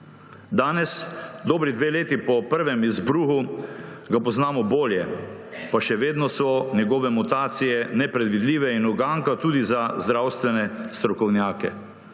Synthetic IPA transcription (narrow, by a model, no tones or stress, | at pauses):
d̪aːnɛsd̪oːbɾid̪ʋeːleːt̪ipɔpəɾʋɛmizbɾuːɦuɡapɔznaːmɔboːljɛpaʃɛʋeːd̪nɔsɔnjɛɡɔːʋɛmut̪aːt̪sijɛnɛpɾɛd̪ʋid̪liːʋɛinɔɡaːŋkat̪uːd̪izazd̪ɾaːwst̪ʋɛnɛst̪ɾɔkɔwnjaːkɛ